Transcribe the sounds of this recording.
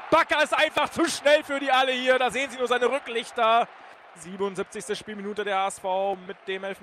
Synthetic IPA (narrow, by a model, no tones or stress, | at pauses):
b̥akɐɪstʔaɪnfaχt͡suʃnɛlfyːɐdiːʔaləhiːɐdaːzeːənziːnuːɐzaɪnəʁʏklɪçtɐ | ziːbənʊntzip̚t͡sɪçstəʃpiːlminuːtədeːɐhaːɛsfaʊmɪt̚d̥eːmɛlf